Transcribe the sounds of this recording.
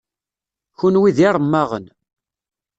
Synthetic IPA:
çunwiðiɾˤəmːɑʁə̰n

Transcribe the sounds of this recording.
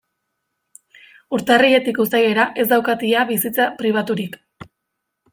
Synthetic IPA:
uɾt̪arie̞t̪ikusaje̞ɾaʔe̞zd̪awkat̪iaβisit͡sapɾiβ̞at̪uɾik

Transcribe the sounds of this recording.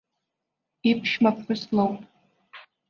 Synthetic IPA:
ipʰʃmapħʷʊslowpʼ

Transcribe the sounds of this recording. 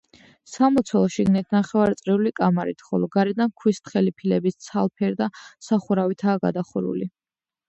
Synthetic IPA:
samɔt̪sʰwɛlˠʃiɡnit̪ʰnaχɛvaɾt̪sʼɾiulikʼamaɾit̪ʰχɔ̰lɔɡaɾɛd̪ankʰwist̪χɛlipʰilɛbist̪sʰalˠpʰɛɾd̪asaχuɾavit̪ʰaːɡa̰d̪aχuɾṵli

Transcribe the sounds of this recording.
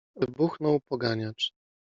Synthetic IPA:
vbuxnɔwpɔɡaɲat͡ʂ

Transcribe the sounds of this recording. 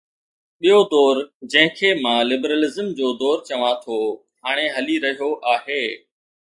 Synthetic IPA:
ɓijod̪ɔːɾd͡ʑɐ̃ɦɪ̃kʰeːmãlɪbɾəlɪzəmd͡ʑoːd̪ɔːɾt͡ɕɐʋãt̪ʰo | haːɽ̃eɦɐliɾɐɦijoʔaːɦeː

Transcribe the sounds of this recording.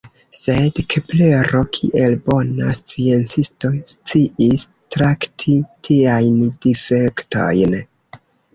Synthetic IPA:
se̞dkʰeple̞ɾo̞kʰḭʔe̞lbo̞nast͡sie̞nt͡sisto̞st͡siʔis | tɾaktʰitʰiajnd̥ife̞kto̞̰jn

